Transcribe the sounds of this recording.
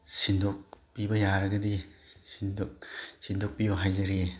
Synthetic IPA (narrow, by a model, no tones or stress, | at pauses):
sindok̚pibɐjaɾɐɡɐdisindoksindok̚pibɐɦajzɐɾie